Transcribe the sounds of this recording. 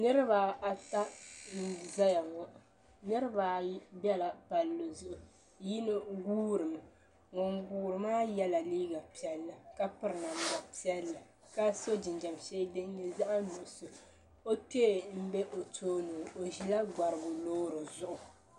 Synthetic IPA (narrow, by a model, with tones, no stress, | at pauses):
nɨ˦ɾɨ˦ba˨a˨ta˦n̩˦za˦ja˨ŋɔ˦ʔ | nɨ˦ɾɨ˦ba˨˦bɛ˦la˨pa˨lːo˨zʊ˦ʔʊ˨ | ji˦nɨ˦ɡuː˦ɾɨ˨m˨ | ŋɔ˨ŋɡuː˦ɾɨ˨maː˦jɛ˦la˨liː˦ɡa˨pi˦ɛ˦lːa˨ka˦pɨ˨ɾɨ˨na˨m˨ba˨pi˦ɛ˦lːa˨ | ka˦so˦d͡ʒɪ˨nd͡ʒa˨m˨ʃɛː˦dɨ˦n˦ɲɛ˦za˦ʔa˦nu˨ʔso˨ | o˦te˦˨m̩˦bɛ˦ʔo˨tʰoː˦nu˨o˨ʒi˨la˦ɡa˨ɾɨ˨bʊ˨loː˦ɾɨ˨zʊ˦ʔʊ˨